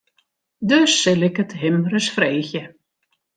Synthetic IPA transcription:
døsːɪlɪkətɦɪmrəsfrejxjə

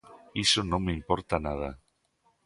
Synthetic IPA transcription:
isonõŋmeimpɔɾt̪anað̞a

